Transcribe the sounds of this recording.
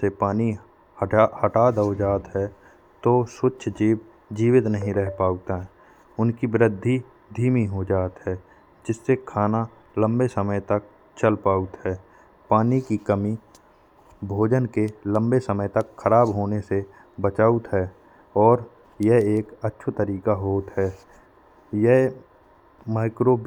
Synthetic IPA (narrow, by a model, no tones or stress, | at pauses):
sepaːni | hahəʈaːd̪od͡ʒaːt̪ɦɛ | t̪osʊtːt͡ʃʰd͡ʒiːb | d͡ʒiːwɪt̪nəɦĩɾɛɦpaːut̪aɦɛ | ʊnkibɾɪd̪ʱːi | d̪ʱiːmiɦod͡ʒaːt̪ɦɛː | d͡ʒɪsːekʰaːna | lə̃mbesəməjt̪ək̚ | t͡ʃəlpaːut̪ɦɛː | paːnikikəmi | bʱoːd͡ʒənkelə̃mbesəməjt̪ɐkxʰəɾaːbɦoːnese | bət͡ʃaːut̪ɦɛː | ɔːɾ | jɛɦeːkətːʃʰt̪əɾiːkaɦoːt̪ɦɛː | jɛɦ | maːɪkɾo